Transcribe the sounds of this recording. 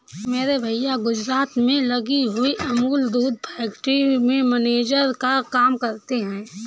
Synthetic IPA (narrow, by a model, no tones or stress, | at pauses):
meːɾebʱəjjaɡʊd͡ʒɾaːt̪mẽlɐɡiɦʊiʔɐmuːld̪uːd̪̚pʰɛːkʈɾimẽməneːd͡ʒəɾkakaːmkɐɾt̪eɦɛ̃ː